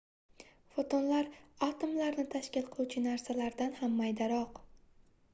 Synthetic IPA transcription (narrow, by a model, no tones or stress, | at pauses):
fot̪onlaɾat̪omlaɾnɪt̪ʰaʃkʲɪlˠqʰɨlˠut͡ʃʰɪnaɾsalaɾd̪anhamːajd̪aɾɒq